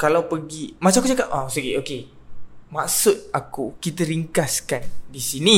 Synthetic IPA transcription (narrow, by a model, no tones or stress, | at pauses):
kalawpəɡimat͡ʃamakud͡ʒakat̚ʔasəɡiʔoke | maksut̪̚akukit̪əɾiŋkaskandisinĩ